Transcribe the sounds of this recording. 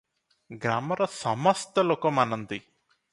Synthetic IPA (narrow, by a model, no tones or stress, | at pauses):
ɡɾaːmɐɾɐsɐmɐst̪ɐlokɐmɐnɐnd̪i